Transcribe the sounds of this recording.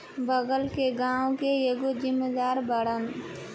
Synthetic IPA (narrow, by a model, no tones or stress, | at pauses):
bəɡəlkeɡãːwõkejeɡozɪmːed̪aːɾbəɽən